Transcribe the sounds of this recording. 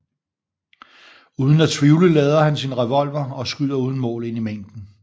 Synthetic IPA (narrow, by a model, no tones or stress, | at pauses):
uːð̞ˠn̩æt͡sʰʋiʊləlɛːð̞ˠɐhænsinʁɛʋɒ̽l̰ʋɐɒ̽sɡ̥yðˠɐuːð̞ˠn̩mɔ̰̽ːle̝n̰imeŋ̰d̥n̩